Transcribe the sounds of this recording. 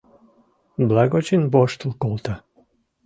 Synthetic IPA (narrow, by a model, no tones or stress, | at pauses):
blˠaɡot͡ʃinboʃt̪lˠkolˠt̪a